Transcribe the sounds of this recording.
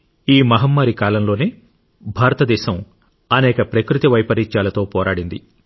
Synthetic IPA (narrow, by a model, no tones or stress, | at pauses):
iːmɐɦɐmːaːɾikaːlɐmlo̞ːneː | bʱaːɾɐt̪ɐd̪ɛːʃɐm | ɐnɛːkɐpɾɐkɾut̪iʋɐjpɐɾiɲt͡ʃaːlɐt̪o̞ːpɔːɾaːɽind̪i